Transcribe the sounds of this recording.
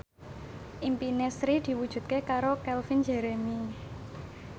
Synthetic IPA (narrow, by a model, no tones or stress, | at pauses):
ʔimpinesɾid̪̥i̤wud̥ʒ̥ṳt̪̚kekaɾokɛlfind͡ʒeɾemi